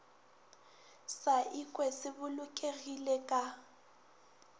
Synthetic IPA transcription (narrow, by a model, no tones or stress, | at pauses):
saʔikʼwɛsɪbʊlʊkʼeɣilɛkʼa